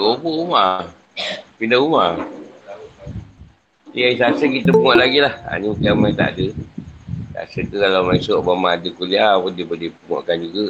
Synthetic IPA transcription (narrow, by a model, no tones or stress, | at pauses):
oboʔuma | pindauma | iaisasəkit̪əpuŋɔʔlaɡilaha̰ɲikamajt̪a̰ʔdə | sa̰səkəkalawmaisoʔbamadəkuliapundipədipuŋɔ̰ʔkand͡ʒuɡə